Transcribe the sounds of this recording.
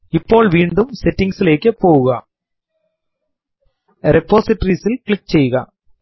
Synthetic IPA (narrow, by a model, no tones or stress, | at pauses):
ɪpːoːlʋiːɳɖɯmsɛʈːɪŋsɪlɛːkːɐpːoːɣɯɣa | ɾɛpːoːsɪʈːɐɾisɪlklɪk̚t͡ʃɛjɣɐ̰ː